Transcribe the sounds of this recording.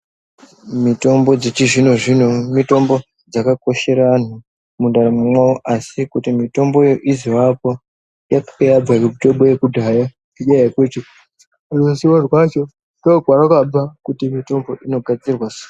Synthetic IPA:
mito̞mbo̞d͡zet͡ʃiʐinoʐinomito̞mbo̞ | d͡zakako̞ʃe̞ɾan̤u | mundaɾemumwaoʔasikutimito̞mbo̞joʔiziwapo̞ | jakjab͡vakumito̞mbojekudʱaja | iɲajaket͡ʃe | rosiorwat͡ʃo̞ | noɡʱwaɾakab͡vakutimito̞mbo̞ʔino̞ɡʱad͡zirwasa

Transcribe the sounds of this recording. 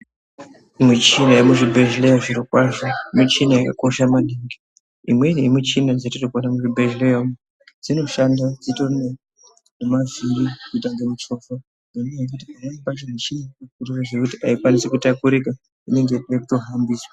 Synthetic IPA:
mit͡ʃinajemuʐibʱeʒlejaʐiɾikwaʐomit͡ʃinajakako̞ʃamaniːŋɡi | imwenemit͡ʃinad͡zatitokonamuʐibʱeʒlejam | d͡zino̞ʃandad͡zitone | nemavirikutaŋɡemut͡ʃo̞fo | noneajak̬utiajaipat͡ʃemit͡ʃinakuriraʐekutiʔaikwanisekutakuɾika | ine̞ŋɡeekuto̞ɦambiːswa

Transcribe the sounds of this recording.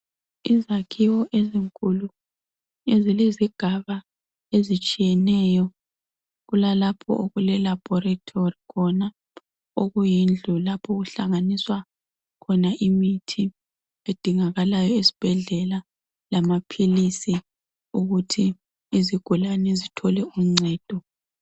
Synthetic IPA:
izakʰiwɔʔeziŋkʼulu | ezileziɡ̥ʱaβa | ezit͡ʃʼijɛnɛjɔ | ɣulalapʰɔ̰ʔoɣulɛlab̥ʱɔɾatʰorikʰɔna | oɣujind͡ɮʱulapʰɔɣuɬaŋaniswa | kʰɔnaʔimitʰi | ed̥ʱiŋaɣalajɔisi̥b̥ʱɛɮɛla | lamapʰilisi | uɣutʰiː | ziɡ̥ʱulanɛzitʰɔlɛuŋ͡ǀʱɛːd̥ʱɔ

